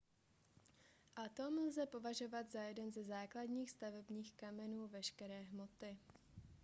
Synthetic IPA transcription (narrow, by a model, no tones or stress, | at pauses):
ʔat̪o̞mlzɛpo̞vaʒo̞vad̪zajɛdɛnzɛzaːkladɲiːxst̪avɛbɲiːxkamɛnuːvɛʃkɛɾɛːɦmo̞t̪ɪ